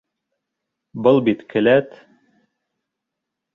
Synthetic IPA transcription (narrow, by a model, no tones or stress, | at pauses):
bɤlˠbit̪kɘ̆læt̪